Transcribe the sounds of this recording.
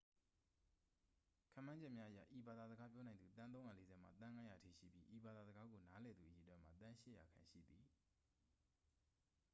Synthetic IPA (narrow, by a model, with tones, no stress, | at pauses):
kʰã̰˦˨mã˦ɲd͡ʑɛ˦ʔmja˦ʔə˦ja̰˦˨ʔi˨ba˨d̪a˨zə˨ɡa˦pjɔ˦nã˨nd̪u˨t̪ã˦nõ˦ʊ̃ja˨le˦zɛ˦˨m̥a̰˨t̪ã˦ŋã˦ja˨ətʰḭ˦˨ʃḭ˦˨pji˦ʔi˨ba˨d̪a˨zə˨ɡa˦ɡo˨na˦lɛ˨d̪ðṵ˨ʔəji˨twɛ̃˦m̥a˦˨t̪ã˦ʃɪ˦ʔja̰˨kʰã˨ʃḭ˦˨d̪ði˨